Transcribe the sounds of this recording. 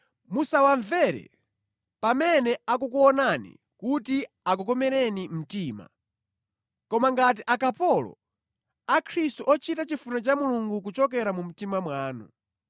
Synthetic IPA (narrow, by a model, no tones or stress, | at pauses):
musawaɱvɛɾɛ̰ | pamɛnɛak̬uk̬uɔnanḭ | kuti | ak̬ukɔmɛɾɛnim̩tiːma̰ | kɔmaŋɡat̬iʔakapɔlɔ̰ | akʰɾistuʔɔt͡ʃitat͡ʃifunat͡ʃamuluŋɡuk̬ut͡ʃɔk̬ɛɾamum̩timamwaːnṵ